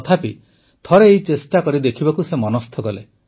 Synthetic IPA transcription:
t̪ʰapi | t̪ʰɔɾeːɦit͡ʃesʈakɔɾid̪ekʰibakusemɔnɔst̪ʰɔɡɔle

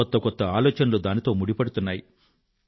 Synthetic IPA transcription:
ɔt̪ːɐkɔt̪ːɐaːlɔːt͡ʃɐnɐlud̪aːnit̪o̞ːmuɽipɐɽut̪unːaːji

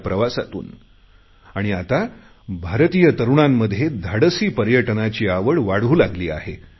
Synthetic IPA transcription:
pɾəʋasa̰t̪ṵːn | aɽ̃iat̪a | bʱaɾt̪ijət̪əɾuɳamːəd̪ʱːjed̪ʱaɽəsiːpəɾjəʈnat͡ɕiːaʋəɭʋaɽ̤uːlaɡliːa̰ɦe

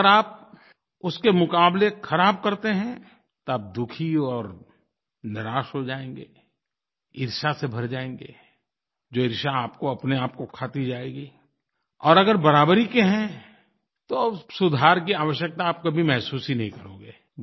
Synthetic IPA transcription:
əɾaːp̚ | ʊskemʊkaːblexʰɐɾaːb̚kɐɾt̪eɦɛ̃ | t̪oaːp̚d̪ʊkʰiɔːɾ | nɪɾaːʃɦod͡ʒaːẽːŋɡeː | ɪɾʃasebʱɐɾd͡ʒaːẽːŋ̆ɡḛː | d͡ʒoːɪɾʃaːpkoɐpneaːp̚kokʰaːt̪id͡ʒaːeːɡiː | ɔːɾɐɡəɾbɐɾaːbɾikeɦɛ̃ | t̪osʊd̪ʱaːɾkiaːʋəʃjək̚t̪aːp̚kobʱimɛɦsuːsinɐɦĩkɐɾõːɡeː

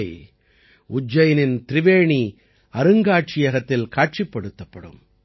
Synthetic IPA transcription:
ɪ | ʊd͡ʒːɐjɐnɪnt̪ɪɾɪʋeːɳi | ɐɾɯŋɡaːʈ̚t͡ʃɪjɐɣɐt̪ːɪlkaːʈ̚t͡ʃɪpːɐɽɯt̪ːɐpːɐɽɯ̰m

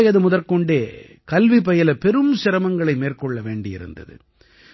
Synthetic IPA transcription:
ɪɐðɯmʊðɐɾkɔɳɖeː | kɐlʋipɐjɐlɐpɛɾɯmsɪɾɐmɐŋɡɐɭɐɪmeːrkɔɭːɐʋeːɳɖɪjɪ̰ɾɯ̰nd̪ɐ̰ðɯ̰

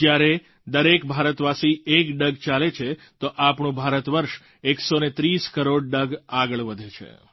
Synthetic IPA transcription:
d͡ʒjaɾe | d̪əɾekbʱaɾət̪ʋasiekɖəɡt͡ʃalet͡ʃʰet̪oʔapɳũbʱaɾət̪ʋəɾʃ | eksonet̪ɾiskəɾoɖɖəɡaɡəɭʋəd̪ʱet͡ʃʰḛ

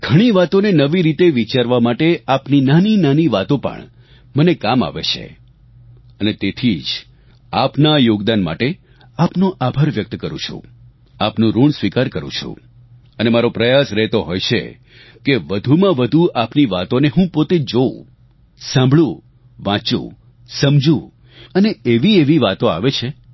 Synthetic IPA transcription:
ɡʱəɽ̃iʋat̪onenəʋiɾit̪eʋit͡ʃaɾʋamaʈeapninaninaniʋat̪õpə̰ɳ | mənekama̰ʋḛt͡ʃʰḛ | ənet̪et̪ʰid͡ʒ | apnajoɡd̪anma̰ʈe | apnoʔabʱaɾʋjək̚t̪kəɾṵ̃t͡ʃʰṵ̃ | apnũɾuɳsʋikaɾkəɾṵ̃t͡ʃʰṵ̃ | ənemaɾopɾəjasɾɛɦt̪oɦojt͡ʃʰḛ | keʋəd̪ʱumãʋəd̪ʱuʔapniʋat̪oneɦũpot̪ed͡ʒo | sãmbʱɭũ | ʋãt͡ʃṵ̃ | səmd͡ʒũ | əneeʋieʋiʋat̪oaʋet͡ʃʰe

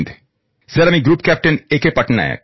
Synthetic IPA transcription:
d̪ | zeɾamiɡɾuːpkæːp̚ʈəneːkepɐʈna̰ɛ̰

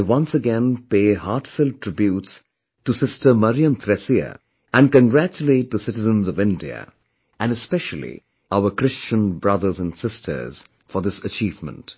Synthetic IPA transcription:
wʌ̃nsəɡɛ̃npeːɦatfɪlˠd̚tʰɹ̥ɪbjuːts | tusɪstʰə˞mʌɾiə̃mt̪ʰɾɛsiə̰ | ʔæ̃nkə̃nɡɾæt͡ʃuleɪt̚d̪əsɪɾɨzə̃nzʌvɪ̃ndḭə̰ | æ̃nɨspɛʃəl̩ˠḭ | aʊəkɾɪst͡ʃə̃nbɹʌðə˞zə̃nsɪstʰə̰˞z̥ | fɔ˞d̪ɪsət͡ʃiːvmə̰̃nt

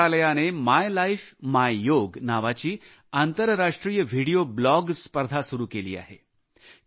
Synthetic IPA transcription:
aləjanemajlaifmajjoːɡnaʋat͡ɕiː | ant̪əɾɾaʂʈɾijəʋʱiɽijoblɔɡspəɾd̪ʱasuɾukelḭːa̰ːɦḛ

